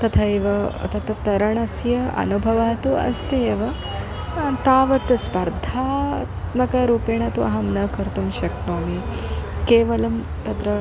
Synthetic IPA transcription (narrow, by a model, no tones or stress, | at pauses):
t̪ɐt̪ʰɐeʋɐɐ̰t̪ɐt̪ɐt̪ɐɾɐɳɐsjɐɐ̰nubʱɐʋaːt̪uɐ̰st̪eʋɐ | t̪aːʋɐt̪ɐspɐɾd̪ʱaːt̪mɐkɐɾuːpeːɳɐt̪uɐɦɐmnɐkɐɾt̪umʃɐknoːmikeːʋɐlɐm | t̪ɐt̪ɾɐ